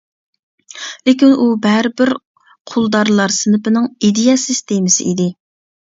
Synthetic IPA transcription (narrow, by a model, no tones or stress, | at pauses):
lɪkʲinubæɾɪbɪɾ | qʰolˠd̪ɑɾlˠɑɾsɨnɨpɨnɨŋid̪ejɑsist̪emɨsɪ̰id̪ɪ